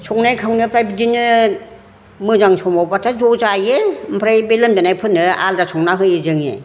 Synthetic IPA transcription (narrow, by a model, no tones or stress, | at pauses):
sʰɔŋnajkʰawnɯpɾajbidinɯ | mɯzaŋsʰɔmawbatʰazɔzajempʰɾajbelɯmdanajpʰɯnːɯa̰ldasʰɔŋnaɦɯjezɯŋḛ